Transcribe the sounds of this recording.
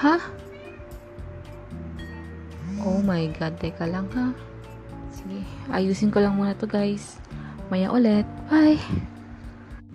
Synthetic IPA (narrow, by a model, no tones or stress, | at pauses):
ha | ʔomajɡad̪ːajkalaŋha | siɡiʔa̰juːsɪnkolaŋmuːnat̪oɡajsmajaʔolɛt̪̚baj